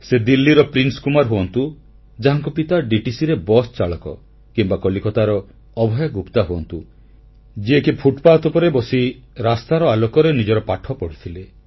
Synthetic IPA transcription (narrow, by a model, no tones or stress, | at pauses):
sed̪ilːiɾɔpɾinskumaɾɦoɔnt̪u | d͡ʒaɦaŋkɔpit̪aɖiʈisiɾebɔst͡ʃaɭɔkɔ̰ | kimbakɔlikɔt̪aɾɔ | ɔbʱɔjɔɡupt̪aɦuɔnt̪u | d͡ʒiekipʰuʈpaːt̪upɔɾebɔsiɾast̪aɾɔalɔkɔɾenid͡ʒɔɾɔpaʈʰɔpɔɽ̤it̪ʰile